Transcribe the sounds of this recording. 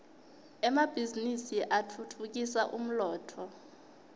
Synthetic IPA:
ɛmab̥ʱizinisiʔatʰutʰuk̬isaʔṵm̩lɔːtʰɔ

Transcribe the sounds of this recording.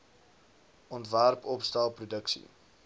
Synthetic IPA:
ʔɔntværpɔpstalˠprudəksḭ

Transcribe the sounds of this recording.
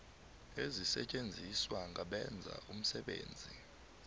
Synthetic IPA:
ezisɛt͡ʃʼend͡zʱiswaŋʱaɓɛnd͡zʱa̰ʔum̩sɛɓḛːnd͡zʱi

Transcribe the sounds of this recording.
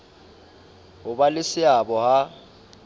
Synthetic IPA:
ɦʊbalɪsɪabɔha

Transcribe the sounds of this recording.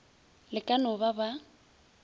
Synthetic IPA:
lɪkʼanɔbaba

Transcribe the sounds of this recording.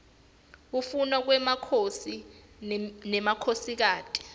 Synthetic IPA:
k̬ufunwak̬wɛmakʰosi | nɛmakʰosik̬aːtʼi̥

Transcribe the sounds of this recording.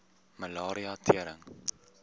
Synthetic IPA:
məlɑːɾiɑtʰiəɾəŋ

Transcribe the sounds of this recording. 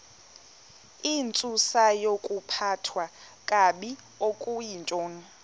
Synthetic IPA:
int͡sʼusajokʼupʰatʰwa | kʼaɓi | okʼujint͡ʃʼoːŋ̩

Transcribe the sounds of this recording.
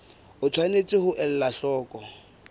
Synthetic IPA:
ʊt͡sʰwanet͡sʼɪhʊʔɛl̩laɬɔːkʼɔ

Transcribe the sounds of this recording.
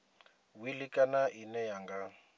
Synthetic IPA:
wilikʼanaʔinɛjaŋɡa

